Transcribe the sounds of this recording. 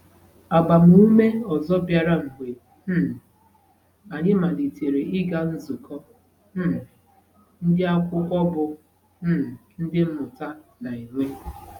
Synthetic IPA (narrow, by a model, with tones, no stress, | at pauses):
a˨ba˨m̩˦u˦me˦ɔ˨zɔ˦bja˨ɾa˦m̩˨ɦe˨ | m̩˦˨ | a˨ɲɪ˦ma˨li˨te˨ɾe˨ɪ˦ɡa˦n̩˦zu˨kɔ˦ | m̩˦˨ | n̩˦dɪ˦a˦kʷʊ˦kʷɔ˦bʊ˨ | m̩˦˨n̩˦dɪ˦m̩˦mʊ˨ta˦na˨i˨ŋʷe˦